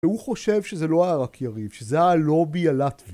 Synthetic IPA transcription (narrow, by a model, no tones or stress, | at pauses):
uχo̞ʃe̞vʃezelo̞aaʁakʰjaʁivʃezeaalo̞bijalatv